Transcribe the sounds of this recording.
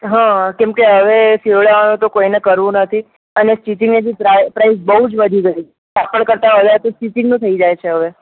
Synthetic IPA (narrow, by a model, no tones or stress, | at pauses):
ɦãkɛmkeɦəʋefiʋəɭaʋanũt̪okoinekəɾʋũnət̪ʰi | ənesʈiʈɪŋɡned͡ʒ̪ipɾapɾais̬bəɦud͡ʒʋəd̪ʱiɡəi | tapəɳkəɾt̪aɦədat̪osʈiʈɪŋɡnũt̪ʰəid͡ʒajt͡ʃʰeɦəʋe